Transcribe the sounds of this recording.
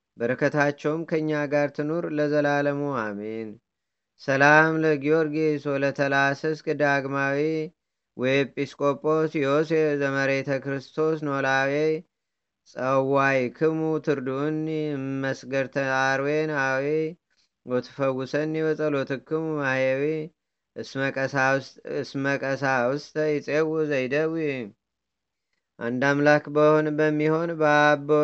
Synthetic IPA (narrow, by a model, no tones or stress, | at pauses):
bəɾɨkʰət̪ʰat͡ʃːɛwmkʰəɨɲːaɡaɾt̪ʰɨnuɾləzəlaləmuamen | səlamləɡio̞ɾɡeswɔlət̪ʰəlasəskʼɨd̪aɡmawi | wʔɔjpʼiskʼo̞pʼo̞sjosezəməɾet̪ʰəkɾɨst̪ʰo̞snolawe | sʼəwajkʰɨmut̪ʰɨɾd̪unməsɡəɾt̪ʰəaɾwenawe | wɔt̪ʰɨ̥fəwːʊsəniβəsʼəlot̪ʰɨkːɨmumahewe | səkʼəsaɨsməkʼəsawʊst̪əjɪsʼewuzəjd̪əw | ʔand̪amlakbəhonbəmːiho̞nbəbo